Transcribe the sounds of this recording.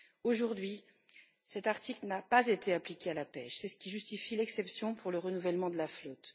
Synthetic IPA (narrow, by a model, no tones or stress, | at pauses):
oʒuʁd̪ɥi | sɛt̪aʁt̪iklnapazet̪eaplikʲealapɛʃsɛsə̥kʲiʒyst̪ifilɛksɛpsjɔ̃pʰuʁləʁənuvɛlmɑ̃d̪əlaflɔt̪